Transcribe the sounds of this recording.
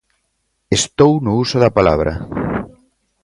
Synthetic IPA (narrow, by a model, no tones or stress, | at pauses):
est̪ownʊusʊðɐpala̰βɾʔɐ̰